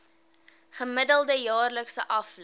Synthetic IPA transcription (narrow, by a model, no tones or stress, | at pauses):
χəmədəlˠdəjɑːrləksəʔɐfl